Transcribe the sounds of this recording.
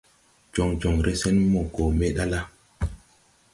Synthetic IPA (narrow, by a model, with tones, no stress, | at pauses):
d͡ʒo˨ŋd͡ʒo˨ŋɾe˦sɛ˦nmo˨ko˨me˦ɗa˦la˦